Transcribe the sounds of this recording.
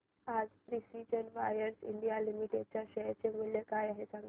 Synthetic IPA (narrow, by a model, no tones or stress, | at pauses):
ad͡zpɾisid͡ʑənʋajəɾsḭɳɖijalimiʈeɖ̚t͡ɕjaɕəjt͡semuljəkajaɦesãŋɡ